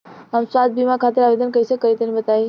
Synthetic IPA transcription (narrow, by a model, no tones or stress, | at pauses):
ɦəmswat̪̚bimakʰat̪eɾaʋed̪ənkəisəkəɾit̪enibət̪ai